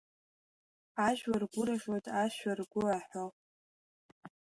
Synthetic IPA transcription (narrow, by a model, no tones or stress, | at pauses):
aʒwarɡʷʊɾaʒwajtʼaʃarɡʷʊaħo